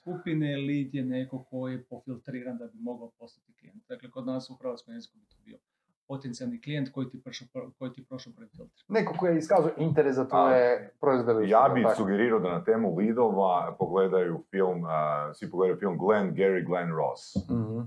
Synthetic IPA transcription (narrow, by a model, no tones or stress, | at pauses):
skupinelid̪jenekokʰojepofilˠt̪ɾiːɾand̪abimo̞ɡaopo̞st̪at̪i̥klijent̪̚d̪aklekod̪naːsuxɾ̩ʋat̪skomjezikubit̪obio | pot̪ent̪sialniklijent̪ko̞jit̪ipʃopkojit̪ipɾoʃlopɾed̪fḭlˠt̪ɾ̥nekokojeiskaːzujoʔint̪eɾesat̪ojepɾoizdojaːbisuɡeɾiːɾaod̪anat̪eːmulid̪oʋapoɡled̪ajufilˠmsʋipoɡled̪ajufilˠmɡlenɡeɾiɡlenɾo̰s